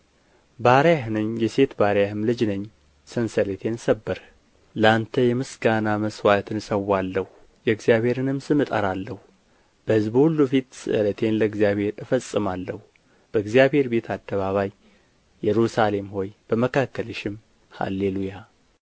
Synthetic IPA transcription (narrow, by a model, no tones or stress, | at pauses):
baɾjaɦɨnɨɲjɛse̞t̪baɾjahɨmlɨd͡ʒnəɲː | sɨnsələt̪ʰe̞nsəbːɨɾ | ləant̪ʰəjɛmɨsɡanaməswat̪ʰɨnsəwːalːəhu | jɛɡzijaβhe̞ɾɨnɨmsɨmɨt̪ʼəɾalːəhu | b̥əhɨzbhulːufit̪sɨ̰ʔlət̪ʰe̞nləɨɡzijaβhe̞ɾɨfəsʼɨmalːəhu | b̥əɡzijabhe̞ɾbe̞t̪ʰad̪ːəβaβaj | jːɛɾusale̞mho̞jb̥əməkʰakːələʃɪm | ha̰lːeluja